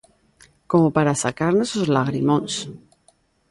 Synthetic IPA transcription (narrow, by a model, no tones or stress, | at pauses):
komopaɾasakaɾnesozlaɣɾimõns